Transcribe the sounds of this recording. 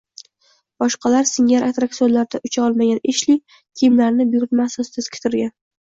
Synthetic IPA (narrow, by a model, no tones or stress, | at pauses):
b̥ɒʃqɑlaɾsɪŋaɾʔat̪ɾak̚t̪ionlaɾd̪aʔʊt͡ʃʰaɒlˠmaɡʲaneʃlɪ | kʲʰijmlaɾnɪbjʊɾt̪masɒst̪ʰɪz̥kʲʰt̪ʰɪɾɡʲan